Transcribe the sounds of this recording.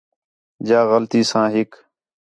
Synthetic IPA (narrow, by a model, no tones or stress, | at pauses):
d͡ʒaːɣəlt̪iːsãːɦɪk